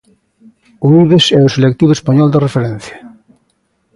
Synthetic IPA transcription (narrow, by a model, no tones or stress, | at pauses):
uiβesɛʊselek̚t̪iβespaɲɔld̪erefeɾɛ̃n̟θja